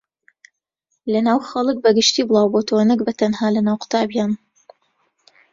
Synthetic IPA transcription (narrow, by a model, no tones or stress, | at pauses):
lɐnaːwxɐlˠɨk̚bɐɡɨʃt̪iːblˠɑːwbot̪ʰowanɨk̚bɐt̪ʰɐnɦaːlɐnaːwqʊ̥t̪ʰaːbjaːn